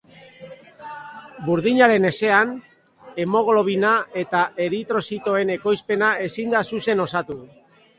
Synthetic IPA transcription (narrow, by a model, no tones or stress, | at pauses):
buɾðiɲaɾe̞ne̞se̞an | e̞mo̞ɣlo̞β̞inae̞t̪aʔe̞ɾit̪ɾo̞sit̪o̞e̞ne̞ko̞jspe̞nae̞sind̪asuse̞no̞sat̪uðu